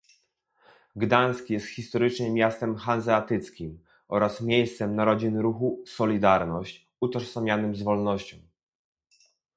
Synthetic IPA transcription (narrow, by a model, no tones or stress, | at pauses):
ɡd̪añskʲijɛst̪xʲist̪ɔɾɘt͡ʂɲɛmʲjast̪ɛmxanzɛat̪ɘt̪skʲim | ʔɔɾasmʲjejst̪sɛmnaɾɔd͡ʑinɾuxusɔlʲid̪aɾnɔɕt͡ɕ | ut̪ɔɾsamʲjanɘmzvɔlnɔɕt͡ɕɔ̰̃w̃